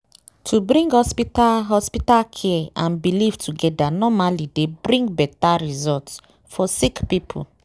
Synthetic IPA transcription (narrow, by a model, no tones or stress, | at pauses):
tʰubɾĩŋɡhɔspitalɦɔspitalkʰɛãnbilivtʰuɡɛdanɔmalidebɾĩŋɡbɛtaɹizɔlts | fɔsikpipʰṵ